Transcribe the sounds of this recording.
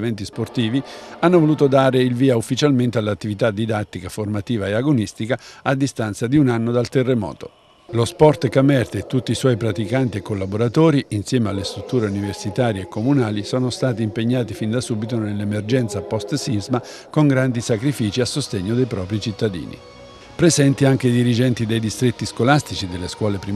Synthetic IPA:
vɛnt̪isport̪iːvianːovoluːt̪od̪aːɾeilviːaufːit͡ʃalment̪ealːat̪ːivit̪ad̪ːid̪at̪ːikaformat̪iːvaeaɡonist̪ikaad̪ːist̪ant̪sad̪iunanːod̪alt̪erːemɔ̰ːt̪o̰ | lospɔrt̪kamɛrt̪et̪ːut̪ːiswɔjpɾat̪ikant̪iekːolːaboɾat̪oːɾiinsjɛːmealːest̪ɾut̪ːuːɾeuniversit̪aːɾjeekːomunaːlisoːnost̪aːt̪̬iːmpeɲːaːt̪ifind̪asuːbit̪onelːemerd͡ʒɛnt̪sapːɔst̪sizmakoŋɡɾand̪isakɾifiːt͡ʃiasːost̪eɲːod̪ejpɾɔːpɾit͡ʃit̪ːad̪ḭːnḭ | pɾezɛnt̪iaŋk̟ed̪iɾid͡ʒɛnt̪id̪ejd̪ist̪ɾet̪ːiskolast̪it͡ʃid̪elːeskwɔːlepɾi

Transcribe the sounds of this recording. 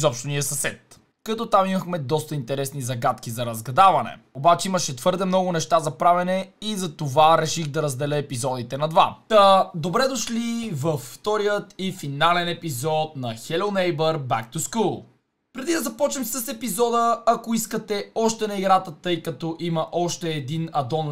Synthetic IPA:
zɔpʃt̪oniəsɐsɛt̪̚ | kɐt̪ɔt̪amiməxmɛd̪ɔst̪əint̪ɛɾɛsnizɐɡat̪kizɐɾɐzɡɐd̪avɐnɛ̰ | obat͡ʃɛiməʃɛt̪vɤɾd̪ɛmnɔɡʊnɛʃt̪azɐpɾavɛnɛizɐt̪ovaɾɛʃixd̪ɐɾɐzd̪ɛlɛːpizɔd̪it̪ɛnɐd̪vat̪əd̪obɾɛd̪oʃlivɐfːt̪ɔɾijət̪ifinalɛnɛpizɔt̪̚nɐxɛlolˠnɛjbəɾba̰k̚t̪uskulˠ | pɾɛd̪id̪ɐzɐpɔt͡ʃnɛmsəsɛpizɔd̪əɐkoiskət̪ɛɔʃt̪ɛnɐiɡɾat̪ət̪ɤjkɐt̪ɔʔimɐʔɔʃt̪ɛːd̪inɐd̪ɔn

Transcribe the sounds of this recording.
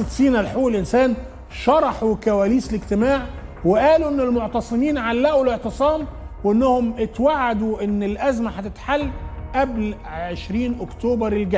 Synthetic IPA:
t̪siːnælħowelʔɪnsæːn | ʃɑɾˤɑħukæwæːliːslɪɡt̪ɪmaːʕ | weʔæːluʔenːɪlmoʕt̪ɑsˤɨmiːnʕalːæʔuleʕt̪ɨsˤɑːmweʔenːʊhʊmɪt̪waʕːad̪uʔɪnːɪlʔæzmæħat̪ɪt̪ħalːʔæbl | ʕeʃɾiːnʔokt̪oːbɑɾˤelɡæ

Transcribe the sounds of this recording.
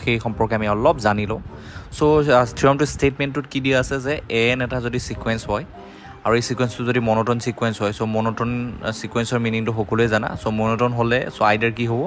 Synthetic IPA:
xejxɔmpɔɹkamiɔlɔpzanilɔ̃ | sotʰiɔmtʊstetmɛntːʊtkidiɛasɛzɛɛnɛtazodisikwɛnsɦɔj | aɹuejsikwɛnstʊzodimɔnɔtɔnsikwɛnsɦɔjsomɔnɔtɔnsikwɛnsɔɹminiŋtʊxɔkɔlʊɛzana̰somɔnɔtɔnɦolɛsoajdaɹkiɦobɔ

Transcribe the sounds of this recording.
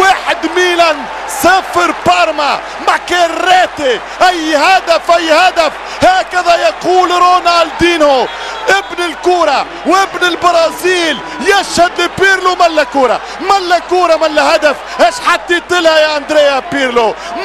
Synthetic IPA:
waːħɪd̪miːnan | saːfɪɾpɑɾˤma | makeɾrːeːt̪e | ʔajːhad̪afʔajːhad̪af | haːkaðajaquːlɾoːnald̪iːnhʊ | ʔɪbnɪlkuːɾˤɑ | wʔɪbnɪlbɑɾˤɑːziːl | jaʃhad̪lɪpiːɾlomalːakuːɾˤɑ̰ | malːakuːɾˤɑmalːahad̪af | heːʃħat̪ːit̪ɪlhajaʔand̪ɾeːapiːɾlo

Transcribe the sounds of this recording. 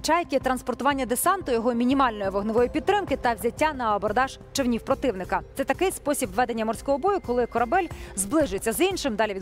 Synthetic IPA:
t͡ʃɑjkʲɪt̪ɾɐnspɔrt̪ʊʋɑnʲːɐd̪esɑnt̪ʊjɔɦɔmʲinʲimɑlʲnɔjiʋɔɦnɪʋɔjipʲid̪̚t̪ːɾɪmkɪt̪ɐwzʲɐtʲːanɐɔbɔrd̪ɑʒ̥ | t͡ʃɔwnʲiwpɾɔt̪ɪwnɪkɐt̪sɛt̪ɐkɪjspɔsʲibʋɛd̪e̞nʲːɐmɔrsʲkɔɦɔbɔjʊkɔlˠɪkɔɾɐbɛlʲzblˠɪʒɪt͡sʲːɐzinʃɪmd̪ɑlʲiʋid̪

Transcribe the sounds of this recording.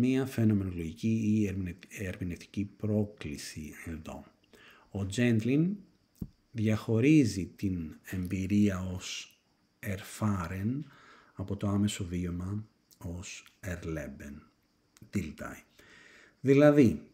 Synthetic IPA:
miɐfe̞no̞me̞no̞lo̞ʝiciːɾeɾmineft̪i̥cipɾo̞klisie̞nðo̞̰ | od͡ze̞nt̪lin | ðʝɐxo̞ɾizit̪ine̞mbiɾiɐo̞s | e̞ɾfɐɾen | ɐpo̞t̪o̞ɐme̞so̞vio̞mɐ | o̞seɾleben | d̪̥ilt̪ɐ̰i | ðilɐði

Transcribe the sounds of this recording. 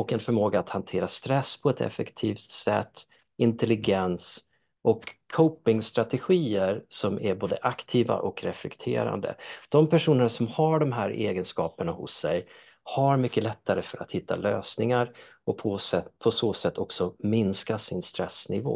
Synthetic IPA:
ɔkɛnfœɾmoːɡaːt̪hant̪ʰeːɾast̪ɾɛsːpʰɔɛt̪ʰɛ̰fɛkt̪ʰiːft̪sɛt̪ː | ɪnt̪ɛlɪɡɛns | ʔɔkʰːɔʊpɪŋst̪ɾat̪ɛɧiːəɾsɔmæɾboːd̪əʔakt̪ʰiːva̰ʔɔkɾɛflɛkt̪ʰḛːɾa̰nd̪ə̰d̪̥ɔmpʰæʂuːnəɳasɔmhaɖɔmɦæːɾʔḛːɡənskɑːpəɳahʊ̰sːɛj | haɾmʏkːəlɛt̪ːaɾəfœɾa̰t̪hɪt̪ːa̰lø̰ːsnɪŋaɾ | ɔpʰɔsɛpʰɔsoːsɛt̪ʰːɔksɔmɪnskasɪnst̪ɾɛsnɪvo̰ː

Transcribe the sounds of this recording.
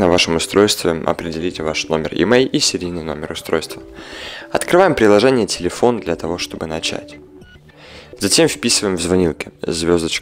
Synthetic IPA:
nəvaʂɨmʊst̪ɾo̞jst̪vʲɪʔɐ̰pɾʲɪdʲɪlʲitʲvaʂno̞mʲɪ̰rɪ̰mejʲisʲɪɾʲijnɨjno̞̰mʲɪrʊst̪ɾo̞̰jst̪vəɐt̪kɾɨvajɪmpɾʲɪlˠɐʐɛnʲɪjətʲɪlʲɪfo̞nd̪lʲɐt̪ɐvo̞ʂt̪o̞bɨnɐt͡ɕæ̰tʲ | zɐtʲe̞mfpʲisɨvəjɪmvzvɐnʲilˠkʲɪzvʲo̞zd̪ət͡ɕ

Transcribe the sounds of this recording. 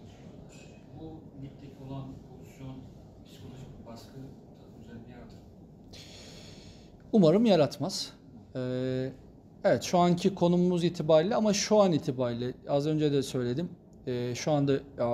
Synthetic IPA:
bunʲip̚t̪ʰecʰiolˠanpʰolˠusjon | pʰsi̥kʰolʲˠo̞ʒicbaskʰɯt̪ʰaɯmyzelʲinʲɛjapt̪ʰɯ | umaɾɯmjaɾat̪maz̥ | ɛ | evɛt̪ʃuancʰikʰo̞numuzit̪ʰibaːɾlʲɛamaʃuaniːt̪ʰibaɾlʲɪazø̞nd͡ʒɛd̪ɛsø̞jlʲe̞d̪im | ɛːʃuand̪aa

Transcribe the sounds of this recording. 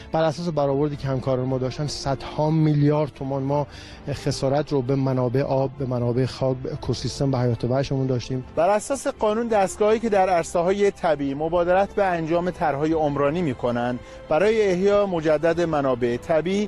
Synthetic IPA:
b̥æɾæsɒːs̬ebæɾɒːvoɾd̪iːcʰehæmkʰɒːɾɒnemɒːd̪ɒːʃt̪ænd̪sæd̪̥hɒːmiljɒːɾd̪̥̚t̪ʰomɒnmɒː | xe̞sɒːɾæt̪ʰɾobemænɒːbe̞ʔḛʔɒːbːemænɒːbe̞exɒːkbekʰosist̪emvæhæjɒːt̪ʰevæʃemund̪ɒːʃt̪iːmb̥æɾæsɒːse̞ɢɒːnuːnd̪æst̪ɡɒːhiːcʰe̞d̪æɾæɾseɦɒːje̞t̪ʰæbiːmo̞bɒːd̪eɾæt̪ʰbeænd͡ʒɒːme̞t̪ʰæɾɦɒːje̞omɾɒːniːmiːkʰo̞nænd̪ | bæɾɒːjeːhjɒːemo̞d͡ʒæd̪ːæd̪emænɒːbe̞et̪ʰæbiː

